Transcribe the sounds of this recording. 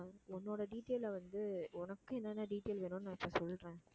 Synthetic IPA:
ɔnːoːɽɐɖiːʈːeːlʋɐnd̪ɯʊnɐkːɯɛnːɐnːaːɖiːʈːeːlʋeːnʊ̃nnãːɪpːɐsɔlːɾẽː

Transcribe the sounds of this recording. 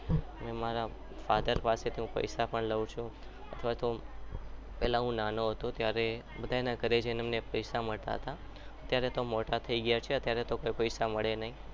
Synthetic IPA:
mɛ̃maɾa | fad̪əɾpaset̪ʰiɦũpə̰jsapəɳləʋũt͡ʃʰũ | ət̪ʰəʋat̪o | pɛɦlaɦũnanoɦət̪ũt̪jaɾe | bəd̪ʱajnakəɾed͡ʒenemnepəjsaməɭt̪a̰ɦət̪a | ət̪jaɾet̪omoʈat̪ʰəiɡəjat͡ʃʰeət̪jaɾet̪okojpəjsaməɭenaɦĩ

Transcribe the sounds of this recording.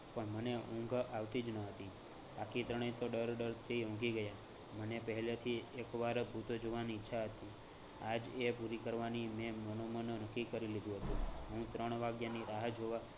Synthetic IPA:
pəɳməneũŋɡʱaʋt̪id͡ʒnəɦət̪i | bakʰit̪ɾəɽ̃ə̃jt̪oɖəɾɖəɾt̪ʰiũŋɡiɡəja | mənepəɦɛlet̪ʰiekʋaɾbʱut̪od͡ʒoʋaniːtːʃʰaɦət̪i | ad͡ʒepuɾikəɾʋanimɛ̃mənomənnəkːikəɾilid̪ũɦət̪ũɦũt̪ɾəɳ̃ʋaɡjaniɾaɦəd͡ʒʱoʋa

